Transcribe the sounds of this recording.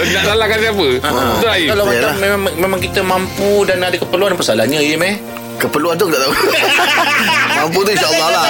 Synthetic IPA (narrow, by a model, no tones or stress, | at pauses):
naʔsalahkansiapət̪uajikalaw̪alamemamẽmãŋkit̪əmãmpudanadəkəpəɾluanpəsalahɲãijəma | kəpəluant̪ukidaʔt̪au | mamput̪̬uinʃaʔəlːɔla